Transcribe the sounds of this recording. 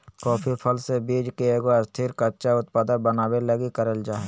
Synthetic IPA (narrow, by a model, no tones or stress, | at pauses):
kɔːpʰipʰəlsebiːd͡ʒkeeːɡoɐst̪ʰiɾkɐtːʃaʊt̪̚paːd̪əbənaːbeləɡikəɾəld͡ʒaːe